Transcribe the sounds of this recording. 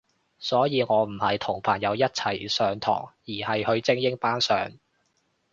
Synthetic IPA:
sɔː˨˥jiː˨˧ŋɔː˨˧m̩˨˩hɐ˨jt̪ʰʊ˨˩ŋpʰaː˨˩njɐ˨˧wjɐ˥t̚t͡sʰɐ˨˩jsœː˨˧ŋt̪ʰɔ̰ː˨˩ŋjiː˨˩hɐ˨jhɵ˧ɥt͡sɪ˥ŋjɪ˥ŋpaː˥nsœː˨ŋ

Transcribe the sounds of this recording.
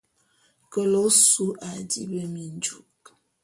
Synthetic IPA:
kə˨lo˦su˦ʔa˨dḭ˦bə˦mi˨n̩˦d͡ʒu˨k̚

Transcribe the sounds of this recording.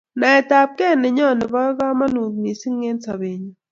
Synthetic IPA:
na˨ɛ˨ta˨p̚kɛ˦˨nɪ˨ɲɔ˦˨nɪ˨bɔ˦ɡa˦ma˦nu˨t̚ni˨si˦ŋe˦nsa˨be˨ɲi˨

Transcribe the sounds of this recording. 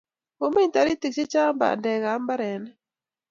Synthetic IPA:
o˨me˦ɲta˨ɾi˦ti˨k̚t͡ʃe˦t͡ʃa˦mba̰˨ndɛ˨ɣa˨˦mba˦ɾɛ˨nɛ˦

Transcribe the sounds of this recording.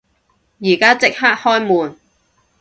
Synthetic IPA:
jiː˨˩kaː˥t͡sɪ˥k̚haː˥k̚hɔː˥jmuː˨n

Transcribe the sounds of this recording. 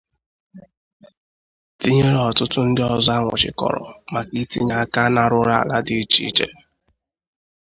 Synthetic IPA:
ti˦ɲe˦ɾe˦ɔ˨tʊ˦tʊ˦n̩˦dɪ˦ɔ˦za˦ŋʷʊ̰˨t͡ʃɪ̰˨kɔ̰˨ɾɔ̰˨ma˨ki˦ti˦ɲa˦ka˦na˦ɾʊ˦ɾa˦a̰˨la˦di˦i˦t͡ʃi˦i˦t͡ʃḛ˦

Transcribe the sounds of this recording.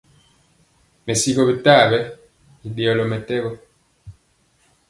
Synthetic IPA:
me˨si˦ko˨bi˨ta˦˨bɛ˦ | i˨ɗe˨ɔ˨lɔ˨mɛ˨tɛ˦bɔ˦

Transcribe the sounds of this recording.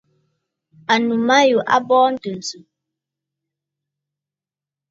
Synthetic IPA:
a˨nu˨ma˦ju˨ʔa̰˦bɔː˦n̩˦tɨ˨n˨zu˨

